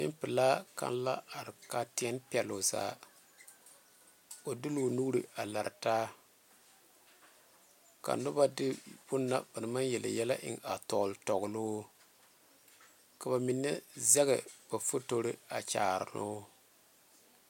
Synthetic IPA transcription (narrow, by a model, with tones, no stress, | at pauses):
nɪ̰˦mpɨ˨laː˦ka̰˦nla̰˦a˨ɾɪ˨ka˦ti˦ɛ˦npɛ˨lo˨za̰ː˦ | o˨dɨ˦lo˨nu˦ɾɨ˦˨a˨la˨ɾtaː˦ | ka̰˨nʊ˦ba˦dɪ˦b̥ʊ˦nːa̰˨ba˨nɨ˨ma˦njɛ˨la̰˨jɛ˦la˦ʔɪ̰˨ŋa˨tɔ˨ltɔ˨ɣʊ˨lo˦ | ka˨ba˨mi˨nːɛ˦zɛ˦ɣɛ˨b̥a˨fo˦to˦ɾɨ˦a˨t͡ʃa̰ː˨ɾɪ̰˨no˦